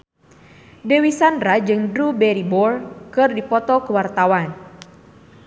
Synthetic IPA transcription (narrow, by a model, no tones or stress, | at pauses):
dewisandɾad͡ʒɨŋdɾubɛɾibɔrkɨrdipɔt̪ɔkuwart̪awan